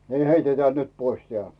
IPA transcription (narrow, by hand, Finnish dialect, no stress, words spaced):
niˑ heiteteæˑ nyt pois teæˑ